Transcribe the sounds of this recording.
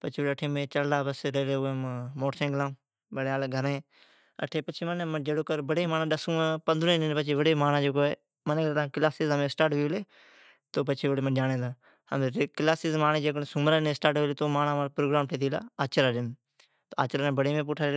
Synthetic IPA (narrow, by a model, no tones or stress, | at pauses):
pət͡ʃʰiːəʈʰẽːmẽːt͡ʃəllaːbəsɾeːleːemmoːʈsẽːɡlãː | bəɽeaːlːɡʱəɾẽː | ə̰ʈʰeːpət͡ʃʰiːmənməd͡ʒeːɽoːkəɾbəɽeːmaːnãːɗəsũːpənd̪ɾõːnenpət͡ʃʰiːʋəɽeːmaːnãːd͡ʒoːkoːeː | mənet̪ãːkɪlaːsizəmẽsʈaːʈʋiːʋleː | t̪oːpət͡ʃʰeːʋəɽeːmənd͡ʒaːɽẽːd̪ã | ə̰met̪ekɪlaːsiːzmaːnẽːd͡ʒeːk̬ənːsʊmɾaːneːsʈaːʈʋeːleːt̪oːmaːnaːmaːɾpɾoːɡɾaːmʈʰeːt̪iːla̰ːaːt͡ʃɾaːɗɪn | t̪oa̰ːt͡ʃɾaːnẽːbəɽeːmẽːp̬ʊʈʰaːɾe